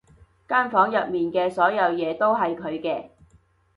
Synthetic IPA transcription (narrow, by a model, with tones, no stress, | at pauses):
kaː˥nfɔː˨˥ŋjɐ˨t̚miː˨nkɛː˧sɔː˨˥jɐ˨˧wjɛː˨˧t̪o˥wɦɐ˨jkʰɵ˨˧ɥkɛː˧